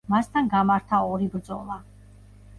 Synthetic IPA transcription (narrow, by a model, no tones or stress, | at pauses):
mast̪ʰanɡamaɾt̪ʰaɔɾibɾd̪zʼɔ̰lˠa